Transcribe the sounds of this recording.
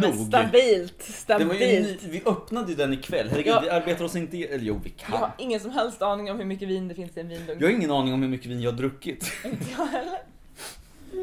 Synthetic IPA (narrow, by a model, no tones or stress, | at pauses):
uːsɡt̪abbiːlt̪st̪aɛvaɾjiːlvɪʔœpnad̪əjʉd̪ɛnːɪkʰvɛlːhɛɾɛɡvɪaɾbeːt̪aɾɔsɪnt̪əɛlːɾjṵːvɪkʰaɪhaɾɾɪŋːənsɔmɦɛlst̪ɑːnɪŋɔmhɵɾmʏkːəviːnd̪ɛfɪnsɪɛnviːnbɵŋkɑːhaɾɪŋːənɑːnɪŋɔmhɵɾmʏkːəviːnjɑhad̪ɾɵkːɪt̪ɪnəjɑɦɛlːəɾ